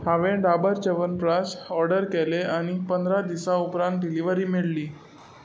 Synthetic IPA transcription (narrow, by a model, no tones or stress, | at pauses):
haʋẽɖabəɾt͡ɕəʋənpɾasɔɾɖəɾkɛleaɽ̃ipənd̪ɾad̪isaupɾãnt̪̚ɖiliʋəɾiːmiɭliː